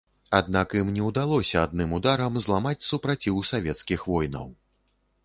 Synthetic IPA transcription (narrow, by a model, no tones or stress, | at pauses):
ad̪nakjimnʲɛwd̪alˠɔsʲɐad̪̚nɨmud̪aɾɐmzlˠamat͡sʲsupɾat͡sʲiwsavʲɛt̪skʲixvɔjnɐ̰w